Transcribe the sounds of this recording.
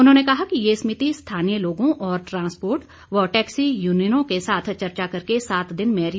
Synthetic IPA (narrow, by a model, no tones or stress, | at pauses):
ʊnɦõːnekɐɦakijeːsmɪt̪ist̪ʰaːnijəloːɡõʔɔːɾʈɾãːspoːɾʈ | ʋɔʈɛːksijuːnijənõkesaːt̪ʰt͡ʃɐɾt͡ʃakɐɾkesaːt̪d̪ɪnmɛːɾ